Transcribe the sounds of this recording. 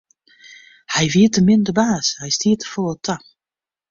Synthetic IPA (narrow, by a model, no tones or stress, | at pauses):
hɛjviətəmɪndəbaːshɛjstiːtəfɔlˠətʰa